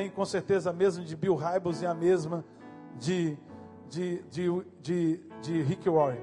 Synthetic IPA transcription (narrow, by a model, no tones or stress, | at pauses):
ẽj̃kõseɾt̪ezɐamezmɐd͡ʒɪbiwɦajbozɪamezmɐ | d͡ʒɪ | d͡ʒɪd͡ʒɪd͡ʒɪd͡ʒɪɦikiwɔɾi